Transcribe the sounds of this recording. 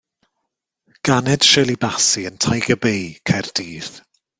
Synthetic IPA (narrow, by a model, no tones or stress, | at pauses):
ɡ̥anɛd̥ʃɛlˠibasiəntʰajɡəbejkʰɛrd̥iːθ